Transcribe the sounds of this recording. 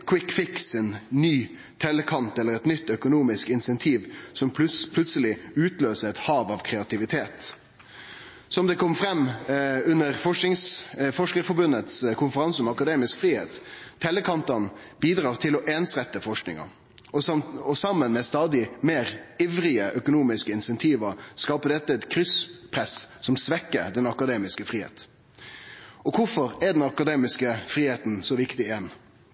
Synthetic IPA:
kʰwɪkːfɪksɛnnyː | t̪ʰɛləkʰɑnt̪ɛlːəɾɛt̪nʏt̪ːœkʊnuːmɪskɪnsɛnt̪ʰiːʋsɔmpʰlʉt̪səlɪʉːt̪løːsəɾɛt̪hɑːʋɑʋkʰɾɛɑt̪ʰɪʋɪt̪ʰeːt̪ | sɔmd̪ɛkʰɔmːfɾɛmːʉnːəʁfɔʂɪŋsfɔʂkəɾfɔbʉnət̪skʰʊnfəɾɑnsɔmɑkɑd̪eːmɪskfʁiːheːt̪ʰːɛləkʰɑnt̪ɑn | b̥iːd̪ɾɑːʁt̪ʰɪlɔʔeːnsʁɛt̪ːəfɔʂknɪ̰ŋɑ̰ | ɔɔsɑmːənmɛst̪ɑːd̪ɪmeːɾiʋɾɪəʔœkʊnuːmɪskəɪnsɛnt̪ʰiːʋɑskɑːpəd̪ɛt̪ːəɛt̪kʰɾʏspʰɾɛssɔmsʋɛkːə̰ɾd̪ɛnɑkɑd̪eːmɪskəfɾiːhḛːt̪ | ɔkʰʊfɔɾɛd̪ɛnɑkɑd̪eːmɪskəfɾiːheːt̪nsɔʋɪkt̪ɪɛn

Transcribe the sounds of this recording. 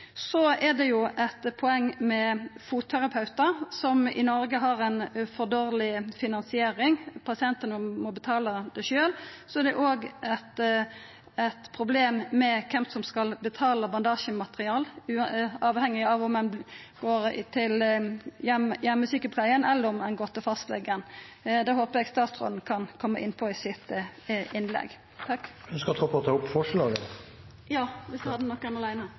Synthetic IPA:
sɔɛd̪ɛjʊʔɛt̪pʰɔɛŋːmɛfuːt̪ʰːæʁɑpʰɑʉt̪əɾsɔmɪ̰nɔɾɡəɦɑʁɛnfɔd̪oːɾlɪfɪnɑnsɪeːɾɪŋpʰɑsɪɛnt̪ənəmɔbət̪ʰɑːləd̪ɛʃøːlsɔɛʁd̪ɛʔoːɡʔɛt̪ | ɛt̪pʰɾʊbleːmmɛkʰɛmsɔmskɑlbət̪ʰɑːləbɑnd̪ɑːʃəmɑt̪ʁɪɑːlʉːɑːʋhɛŋːɪɑʋɔmɛn | ɡ̥oːɾt̪ʰɪljɛmjɛmːəsykəpʰlæɪənɛlːəɾɔmɛnɡɔt̪ːəfɑst̪lɛ̰ɡənd̪ɛhoːpəɾɛɡst̪ɑːt̪sɾɔ̰ːd̪n̩kʰɑnkʰɔmːəʔɪnːpʰɔɪsɪt̪ʔɪnlɛ̰ɡ | t̪ʰɑkːœnskəɾɔt̪ʰɾuːpʰɔɔt̪ʰɑːʊpːfɔʂəlɑːɡən | jɑːʋɪsd̪ʉhɑd̪ənɔkːɛnɑlæɪnəə

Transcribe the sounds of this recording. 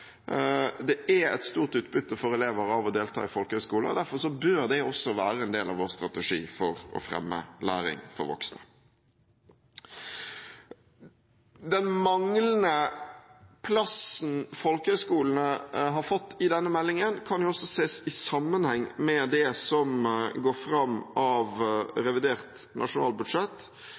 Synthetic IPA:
d̪ɛæɛ̰t̪st̪uːʁt̪ʉːt̪̚bʏt̪ːəfɔɾɛleːʋəɾɑʋɔd̪eːlt̪ʰɑ̰ːɪfɔlkəhœskuːləɔ̰d̪æɾfɔʁʂɔbøɾd̪ɛɔsːɔʋæːɾəɛnd̪eːlɑ̰ʋoːʁst̪ɾɑt̪ɛʂḭːfɔɾɔ̰fɾɛ̰mːə̰læ̰ːɾɪ̰ŋfɔ̰ɾʋɔ̰ksnə | d̪ɛnmɑŋlənə | pʰlɑsn̩fɔlkəhœskuːln̩əɦɑɾfɔt̪ːɪd̪ɛnːəmɛlːɪŋənkʰɑnjʊɔsːɔseːsɪsɑmːənhɛŋːmɛd̪ɛsɔmɡoːɾfɾɑmːɑʋɾɛʋɪd̪eːʁt̪nʔɑ̰ʂʊnɑːlbʉd̪ʂɛt̪ː

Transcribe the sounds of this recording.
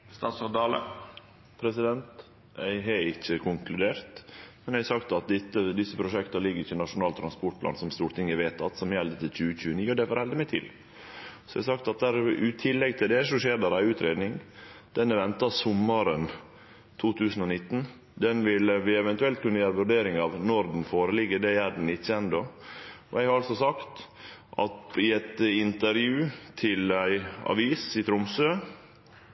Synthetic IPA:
st̪ɑːt̪sɔd̪ɑːlə̰ | pʰɾɛsɪd̪ɛnt̪ | æ̰ɪɦɛɪçːəkʰʊŋkʰlʉd̪eːɾt̪mɛnæɪɑsɑkt̪ɑt̪̚d̪ɪt̪ːəd̪ɪsːəpʰɾʊʂɛkt̪əlɪɡːəɾɪçːɪnɑʂʊnɑːlt̪ʰɾɑnspɔʈ̚pʰlɑ̰ːnsɔmst̪uːɾt̪ʰɪŋːəʋeːt̪ɑt̪sɔmjɛld̪ət̪ɪlc͡çʉːəc͡çʉːəniːɔd̪ɛfoːɾhɛld̪ɪmɛt̪ʰɪ̰l | sɔɛɪɑsɑkt̪ɑt̪̚d̪æɾʉt̪ʰɪlːɛɡt̪ʰɪld̪ɛʂɔʂeːɾd̪æɾæɪʉːt̪ɾeːd̪nɪŋd̪̥ɛnːəʋɛnt̪ɑsʊməɾən | t̪ʰuːt̪ʰʉːsən̩ɔnɪt̪ːn̩ | d̪ɛnʋɪləʋɪɛʋɛnt̪ʉɛlt̪̚kʰʉnːəjøːɾəʋʉɾɖeːɾɪŋɑʋnɔɾd̪n̩foːɾəlɪɡːəd̪ɛæɖɛn̩ɪt̪çɛnd̪ɔɔæɛɡhɑɾɑlsɔsɑkt̪ | ʔɑ̰t̪ɪɛt̪ɪnt̪əɾjʉːt̪ʰɪlæɪɑ̰ʋiːsɪt̪ʰɾʊmsøː

